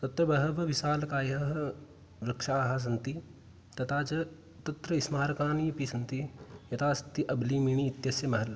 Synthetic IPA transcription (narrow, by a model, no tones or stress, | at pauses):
t̪ɐt̪ɾɐbɐɦɐʋɐʋɪsaːlkaːjɐɦɐ | ʋɾɐkʃaːɦɐs̬ɐnt̪i | t̪ɐt̪ʰaːt͡ʃɐ | t̪ɐt̪ɾɐɪsmaːɾkaːnijɐpisɐnt̪ijɐt̪ʰaːsɐt̪iʔɐbliːmiːɳ̃iːt̪jɐsjɐmɐɦɐl